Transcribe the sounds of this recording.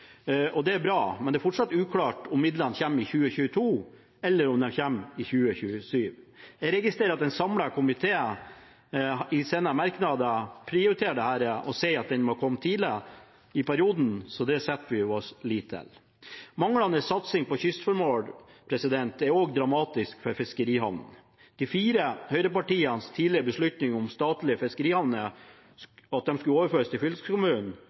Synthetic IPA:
ʔɔd̪ɛæɾbɾɑːmɛnd̪ɛːfɔʈʂɑt̪ːʉːkʰlɑːʈʊmːɪd̪lɑnçɛmːɪçʉːəçʉːət̪ʰuː | ɛlːəɾʊmd̪ɛnçɛmːɪçʉːəçʉːəsyːʋjæɾɛɡɪst̪ɾeːɾɑt̪ɛnsɑmlɑkʰʊmɪt̪ʰeː | ɪseːnəmɑɾknɑd̪əpʰɾɪʊɾɪt̪ʰeːɖɛhæːɾəʔɔseɪɑt̪̚d̪ɛnmɔkʰɔmːt̪ʰiːləɾə | ɪpæɾɪuːd̪n̩sɔd̪ɛsɛt̪ːʋɪɔsliːt̪ʰːɪ̰l | mɑŋːəlɑnəsɑt̪sɪŋpɔçʏst̪fɔɾmoːlpʰɾɛsɪd̪ɛnt̪ɛɾoːɡd̪ɾɑmɑːt̪ɪskfɔɾfɪskəɾiːhɑʋnən | d̪̥ɛfiːɾəhœʏɾəpɑʈiːənst̪ʰiːdlɪɾəbəʂɭʉt̪nɪŋʊmst̪ɑːt̪lɪəfɪskəɾiːhɑʋnə | ɑt̪̚d̪ɛmskʉloːʋəɾføːɾəst̪ʰɪlfʏlskʊmʉːnnn̩

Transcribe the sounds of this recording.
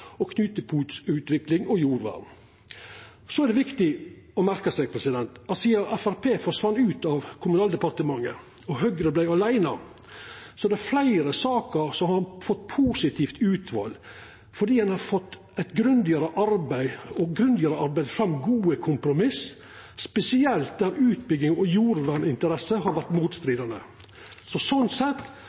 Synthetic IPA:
ɔkʰnʉːt̪əpʰuːt̪sʉːt̪ʋɪklɪŋɔjuːɾʋæ̰ːɾn̩ | sɔæɾd̪ɛʋɪkt̪ɪ | ɔmæɾkəsɛɡ̚pʰɾɛsɪd̪ɛnt̪ɑsiːɑʔæfæɾpʰeːfɔɾsʋɑnːʉːt̪ɑʋkʰʊmʉnɑːld̪ɛpɑɾt̪əmɑŋːə̰ | ɔɦœɡɾəblæɪɑlæɪnɑ | sɔd̪ɛflæɪɾəsɑːkəɾsɔhɑɾɑnfɔt̪ːpʰuːsɪt̪ʰiːft̪ʉːt̪ʰʋɑ̰ːl | fɔɖiːhɑnhɑɾfɔt̪ː | æɪt̪ɡɾʉnd̪ɪɑɾəʔɑɾbæɪɔɡɾʉnd̪ɪəɾəɑɾbæɪd̪fɾɑmːɡuːəkʰʊmpɾʊmɪs | spɛsɪɛlt̪̚d̪æɾʉːt̪̚bʏɡɪŋɔjuːɾʋæɳɪnt̪əɾɛsəɦɑɾʋæʈmuːt̪st̪ɾiːd̪ɑnə̰ | sɔsɔnsɛt̪ː

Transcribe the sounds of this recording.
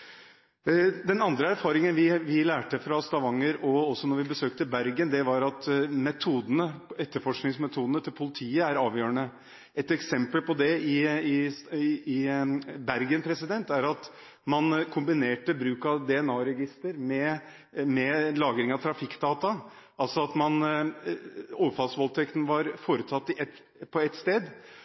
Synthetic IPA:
d̪ɛnɑnd̪ɾəæɾfɑːɾɪŋənʋɪʋɪlæːʈəfɾɑst̪ɑʋɑŋːəɾɔɔsːɔnɔɾʋɪbəsøːk̚t̪əbæɾɡənd̪ɛʋɑɾɑt̪mɛt̪ʰuːd̪ənəɛt̪ːəɾfɔʂknɪŋsmɛt̪ʰuːd̪nət̪ʰɪlpʰʊlɪt̪ʰiːəæɾɑːʋjøːɾəɳə | ɛt̪ɛksɛmpəlpɔd̪ɛɪɪ | ɪbæɾɡənpʰɾɛsɪd̪ɛnt̪æɾɑt̪ | mɑnkʰʊmbɪneːʈəbɾʉːkɑd̪ɛɛnɑːɾɛɡɪst̪əɾmɛ | mɛlɑːɡɾɪŋɑt̪ʰɾɑfɪkːd̪ɑːt̪ɑ | ʔɑlsɔɑt̪mɑn | oːʋəfɑlsʋɔlt̪ʰɛkt̪n̩ʋɑɾfoːɾət̪ʰɑt̪ːɪʔɛt̪ | pʰɔɛt̪ːst̪eːd̪

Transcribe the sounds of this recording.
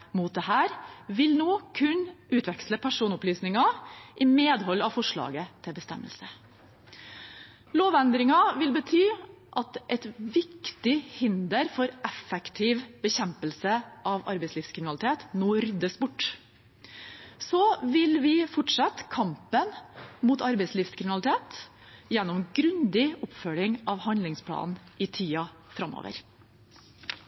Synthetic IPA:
muːt̪̚d̪ɛhæːɾʋɪlnoːkʰʉnʔʉːt̪ʰʋɛksləpʰæʂuːnʊplyːsnɪŋɑʔɪmeːd̪ɦɔlːɑʋfɔʂɭɑ̰ːɡət̪ʰɪbəst̪ɛ̰mːə̰lsə | loːʋɛnd̪ɾɪŋɑʋɪlbət̪ʰyː | ʔɑt̪ʔɛt̪ʋɪkt̪ɪhɪnd̪əɾfɔɾʔɛfɛkt̪ʰiːʋbəçɛmpəlsəʔɑʋɑ̰ɾbɛɪsliːfskʰɾɪmɪnɑlɪt̪ʰeːt̪noːɾʏd̪əsbʊʈː | sɔʋɪlʋɪfɔʈʂɑt̪kʰɑmpənmuːt̪ɑɾbɛɪsliːfskʰɾɪmɪnɑlɪt̪ʰeːt̪ | jɛnːɔmɡɾʉnd̪ɪɔpfœlɪŋɑʋhɑnlɪŋspʰlɑ̰ːnnɪt̪ʰiːɑ | fɾɑmo̰ːʋə̰ɾ

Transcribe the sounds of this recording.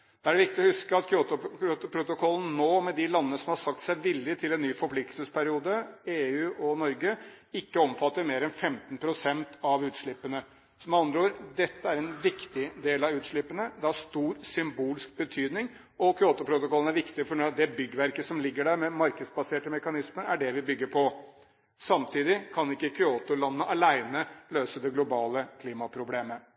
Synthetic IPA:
d̪̥ɛæɖɛʋɪkt̪ɪɔhʉskəɑt̪kʰɾoːt̪ʊɾʊt̪ʊpʰɾʊt̪ʊkʰɔlːn̩noːmɛd̪ɪlɑnːənəsɔmhɑʂɑkt̪sæɪʋɪlːɪt̪ʰɪlɛnːyːfɔɾpʰlɪk̚t̪lsəspʰæɾɪuːd̪əeːʉːʔɔnɔɾɡə | ɪkːəɔmfɑt̪ːəɾmeːɾɛnfɛmt̪npʰɾʊsɛnt̪ʰɑʋʉːt̪ʂɭɪpːənə | sɔmɑnd̪ɾəoːɾd̪ɛt̪ːəæɾɛnʋɪkt̪ɪd̪eːlɑʋʉːt̪ʂɭɪpːənəd̪ɛæʂt̪uːɾsʏmbuːlɪsk̚bət̪ʰyːd̪nɪŋ | ɔkʰʏoːt̪ʊpʰɾʊt̪ʊkʰɔlːənæɾʋɪkt̪ɪfɔɳd̪ɛbʏɡːəʋæɾkəsɔmlɪɡːəɖæɾmɛmɑɾkəd̪sbɑseːʈəmɛkɑnɪsməɾæɖɛʋɪbʏɡːəɾpʰɔ | sɑmt̪ʰiːd̪ɪkʰɑnɪkːəkʰɾʏoːt̪ʊlɑnːəʔɑlæɪnəløːsəd̪ɛɡlʊbɑːləkʰliːmɑpʰɾʊbleːmə

